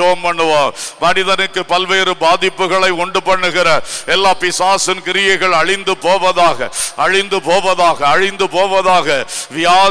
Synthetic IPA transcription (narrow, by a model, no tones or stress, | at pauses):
ɐʋɐmpɐɳːɯʋaːmɐnɪðɐnɯkːɯpɐlʋeːɾɯbaːðɪpːɯɣɐɭɐɪɔɳɖɯpɐɳːɯɣɪɾɐɛlːaːpɪsaːsɪnkɪɾɪjɐɪɣɐɭɐɻɪnd̪ɯpoːʋɐðaːɣɐɐɻɪnd̪ɯpoːʋɐðaːɣɐːɻɪnd̪ɯpoːʋɐðaːɣɐʋɪjaː